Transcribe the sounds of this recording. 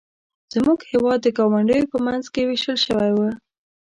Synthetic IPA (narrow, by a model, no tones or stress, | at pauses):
z̥muɡhewɑd̪̚ːəɡɑwaɳɖəjopəmanzkeweʃəlʃəwajwə